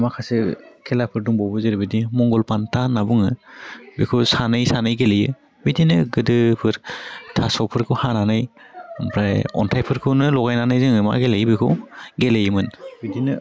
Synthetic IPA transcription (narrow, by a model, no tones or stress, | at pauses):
makʰasɯkʰɛlapʰɯɾduŋbɔwbɯzɯɾbidimɔŋɡɔlpantʰanabuŋɯbikʰɯwsanɯjsanɯjɡelejɯ | bidinɯɡɯdɯpʰɯɾtʰasɔwpʰɯɾkʰɯwhananɯjpʰɾajɔ̰ntʰajpʰɯɾkʰɯwnɯlɔɡajnanɯjzɯŋɯma̰ɡelejbikʰɯwɡelejɯmɯnbidinɯ